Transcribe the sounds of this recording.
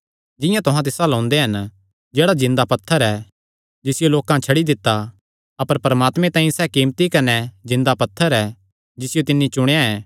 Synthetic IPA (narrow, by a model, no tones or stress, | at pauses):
d͡ʒɪ̃jãt̪ʊɦãt̪ɪsãlɐɔ̃ːnd̪eɦɐn | d͡ʒeːɽad͡ʒɪ̃nd̪apɐt̪ʰːəɾɛː | d͡ʒɪsɪjoloːkãt͡ʃʰɐɽid̪ɪt̪ːa | ɐpəɾpɐɾəmaːt̪mẽt̪ãːĩsɛːkiːmt̪ikɐnɛd͡ʒɪ̃nd̪apɐt̪ʰːəɾɛ | d͡ʒɪsɪjot̪ɪnːit͡ʃʊɽ̃ejaɛː